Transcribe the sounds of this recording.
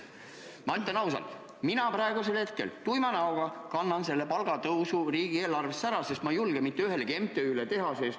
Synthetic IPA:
mɑit̪ːˑɑnɑws̬ɑ̰lt̪ | minɑpɾɑeɡuse̞lhe̞t̪̚ke̞̰lt̪ujmɑnɑoɡ̥ɑkɑnːɑnse̞lːe̞pɑlɡ̥ɑt̪ɤwsuriːɡ̥ie̞ːlɑrvesːæɾɑse̞st̪mɑjulɡ̥emit̪ːˑeyɦe̞leke̞mt̪ːeylet̪e̞ɦɑses

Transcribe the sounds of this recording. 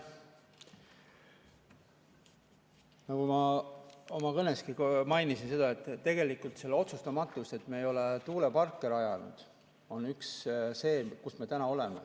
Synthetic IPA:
nɑkumɑ | omɑkɤneskimɑjnisinse̞d̪̥ɑe̞t̪ˑːe̞ɡe̞likult̪se̞lːeo̞t̪sust̪ɑmɑt̪ːˑust̪e̞t̪ːmeejo̞let̪uːle̞pɑrkːeɾɑjɑnṵd̪̥ | o̞nyksse̞ːkusme̞t̪ænɑo̞le̞mḛ

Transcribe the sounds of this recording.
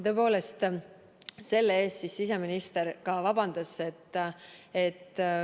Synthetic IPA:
t̪ɤ̞ːpo̞ːle̞st̪ | se̞lːee̞ːst̪sisːise̞minist̪e̞ɾkɑvɑbɑnd̪̥ɑse̞t̪ː | e̞t̪ːˑ

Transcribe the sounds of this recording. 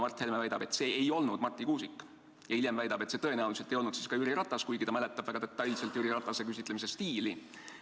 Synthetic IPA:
mɑrt̪hermevæjd̪̥ɑb̥e̞t̪se̞ːejo̞lnud̪̥mɑrt̪ːˑikuːsikːˑ | jɑilʲjemvæjd̪ɑb̥et̪se̞t̪ɤe̞næuliset̪ejo̞lnudt̪siskɑyɾiɾɑt̪ˑːɑskujɡit̪ɑmæle̞t̪ːˑɑb̥væɡ̥ɑd̪e̞t̪ːˑɑjlse̞lt̪jyɾiɾɑt̪ːˑɑse̞kysit̪le̞mis̬e̞st̪iːli

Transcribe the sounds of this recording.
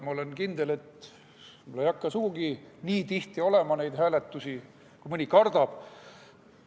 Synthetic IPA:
mɑole̞nkind̪̥ele̞t̪ | mulːejɑkːɑsuɡ̥uɡiniːt̪iht̪io̞le̞mɑnejd̪̥ɦæːlet̪ːusi | kumɯnʲikɑrd̪̥ɑb̥

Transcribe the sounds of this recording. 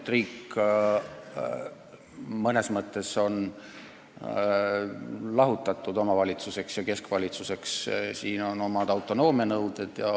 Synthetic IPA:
t̪riːk | mɤne̞smɤt̪ˑːe̞so̞n | lɑɦut̪ːˑɑt̪ːˑud̪̥o̞mɑvɑlʲit̪suse̞ksjɑke̞skvɑlʲit̪suse̞kssiːno̞no̞mɑd̪̥ɑwt̪ˑo̞no̞ːmenɤwd̪̥e̞d̪̥jɑ

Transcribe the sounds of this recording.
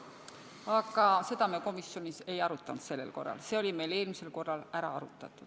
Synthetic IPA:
ɑɡɑse̞d̪̥ɑmeko̞misːjo̞nise̞jɑɾut̪ˑːɑnd̪̥se̞lːe̞̰lko̞̰rːɑ̰lse̞o̞lʲime̞jle̞ːlmise̞lko̞rːɑlæɾɑ̰ɑɾut̪ːˑɑt̪ːˑud̪̥

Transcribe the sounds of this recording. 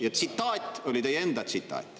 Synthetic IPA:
jet̪sit̪ˑːɑːt̪o̞lʲit̪e̞jeend̪ɑt̪sit̪ːˑɑ̰ːt̪ːˑ

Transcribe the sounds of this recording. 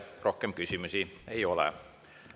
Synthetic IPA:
rohkːempkysymysiˑeiolḛˑ

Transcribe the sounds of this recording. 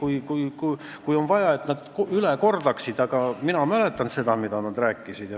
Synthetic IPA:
kujkujku | kujo̞nvɑjɑe̞t̪næd̪̥kyleko̞rd̪ɑksid̪̥ɑɡ̥ɑminɑmæle̞t̪ːˑɑnse̞d̪ɑmid̪̥ɑnɑd̪̥ræːkːˑisid̪̥jɑ

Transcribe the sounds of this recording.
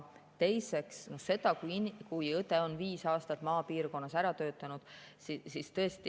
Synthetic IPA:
t̪e̞jse̞ksno̞se̞d̪̥ɑkujikujɤt̪ːˑe̞o̞nviːsɑːst̪ɑt̪ːˑmɑːpiːrko̞nːɑsæɾɑt̪ø̞ːt̪ːˑɑnud̪̥ssist̪ɤ̞est̪i

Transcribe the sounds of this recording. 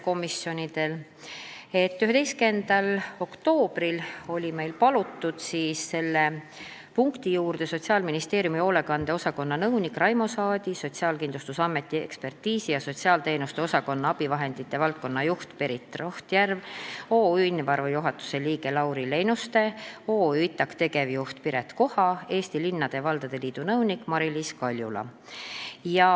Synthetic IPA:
ko̞misjo̞nʲid̪̥e̞l | e̞t̪ːyɦe̞t̪e̞jske̞nd̪̥ɑlo̞kt̪o̞ːb̥rilo̞lʲime̞jlpɑlut̪ːud̪̥siːsse̞lːe̞ | puŋkt̪ijuːrd̪̥e̞so̞t̪ʲsiɑːlminist̪e̞ːɾjumio̞ːle̞kɑnd̪̥eo̞sɑko̞nːɑnɤwnikrɑjmo̞sɑːd̪̥ʲiso̞t̪ʲsiɑːlkind̪lust̪usɑmːe̞t̪ːˑiḛkspe̞rt̪iːsijɑso̞t̪ʲsiɑːlt̪e̞ːnust̪e̞o̞sɑko̞nːɑɑb̥ivɑɦe̞nd̪̥it̪ːe̞vɑlt̪̚ko̞nːɑjuht̪peɾit̪ːˑroht̪jærvo̞ːilnvɑɾvejuɦɑt̪ːu̥se̞liːɡe̞lɑwɾile̞jnust̪e̞o̞ːyit̪ːˑɑkt̪e̞ɡe̞vjuht̪piɾe̞t̪ko̞hɑe̞ːst̪ilinːɑd̪̥e̞vɑld̪̥ɑd̪̥e̞liːd̪̥unɤwnikːˑmɑɾiliskɑlʲjulɑ̰ | jɑ

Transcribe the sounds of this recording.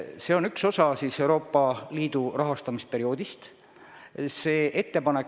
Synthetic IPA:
se̞o̞nykso̞sɑsiːse̞wɾo̞ːpːˑɑliːd̪urɑɦɑst̪ɑmispe̞ɾio̞ːd̪ist̪ | se̞ːʔe̞t̪ːe̞pɑnek

